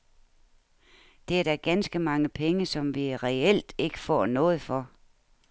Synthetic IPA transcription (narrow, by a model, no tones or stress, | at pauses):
d̥e̝æɐɾ̥æɡ̥ænsɡ̥əmɑ̈ŋəpʰeŋəsɒ̽mʋiʁɛel̰d̥e̝ɡ̥ə̥fɒ̰ːnɔ̽ːð̞̩ˠfɒ̽